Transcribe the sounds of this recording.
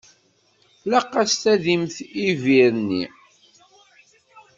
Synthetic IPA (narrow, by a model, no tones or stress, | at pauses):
lɑqːæst̪æðimθiviɾnːḭ